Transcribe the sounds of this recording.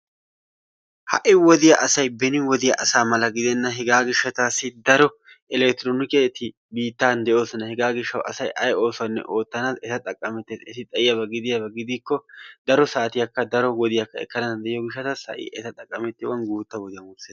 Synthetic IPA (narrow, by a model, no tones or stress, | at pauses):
hɐ̰ʔɪwɔd̪ɪjɐʔɐsɐjbɛnɪwɔd̪ɪjɐʔɐsaːmɐlɐɡɪd̪ɛnːɐɦɛɡaːɡɪʃːɐt̪aːsːɪd̪ɐɾɔ | ɛlɛkt̪ɪɾoːnɪket̪ɪ | biːt̪ːaːnd̪ɛʔo̞ːsnɐhɛɡaːɡɪʃːɐwɐ̰sɐjʔɐjo̞ːsʊɐnːɛ̰ʔo̞ːt̪ːɐnaːsɛt̪ɐt̪ʼɐkʼːɐmɛt̪ːeːsɛsɪt̪ʼɐʔɪjɐbɐɡɪd̪ɪjɐbɐɡɪd̪ikːɔd̪ɐɾɔsaːt̪ɪjɐkːɐd̪ɐɾɔwɔd̪ɪjɐkːɐɛ̰kːɐnaːd̪ɛʔɪjɔɡɪʃːɐt̪ɐshɐ̰ʔɪ̰ʔɛt̪ɐt̪ʼɐkʼːɐmɛt̪ːɪwɐnɡuːt̪ːɐwɔd̪ɪjɐmʊɾseːd